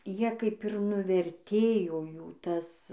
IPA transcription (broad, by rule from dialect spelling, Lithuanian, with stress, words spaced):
ˈjiɛ kɐɪp ɪr nʊʋʲɛrʲˈtʲeːjoː ˈjuː ˈtɐs